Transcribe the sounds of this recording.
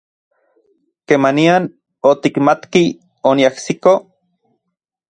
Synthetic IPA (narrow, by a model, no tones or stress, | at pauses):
kemanian | ot̪ikmat̪ki | oniahsiko